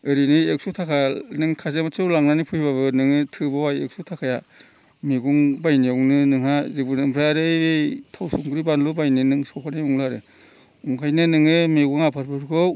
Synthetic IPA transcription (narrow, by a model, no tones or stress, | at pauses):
ɯɾinɯek̚sutʰakʰanɯŋkʰazemat͡ʃʰɯwlaŋnanipʰujbaβɯnɯŋɯtʰɯbawajḛk̚sutʰakʰaja | miɡuŋbajniawnɯnɯŋhazibunɯmpʰɾajaɾɯjbetʰawsuŋɡuɾibanlubajninɯŋsɔkʰaniuŋlɯaɾɯ | uŋkʰajnɯnɯŋɯmiɡuŋapʰaɾbʰɯɾkʰɯw